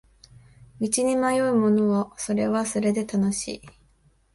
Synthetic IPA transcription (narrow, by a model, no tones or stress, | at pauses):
mʲit͡ɕiɲ̟imajo̞iɯmo̞no̞ːso̞ɾe̞βaso̞ɾe̞d̪e̞t̪ano̞ɕḭː